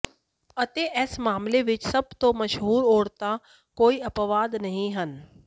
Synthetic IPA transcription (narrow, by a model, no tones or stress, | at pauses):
ət̪eʔɛːsmaːmleʋɪt͡ʃsɐb̚t̪õmɐʃɦuːɾoːɽt̪a | koːiɐpʋaːd̪nɐɦĩɦən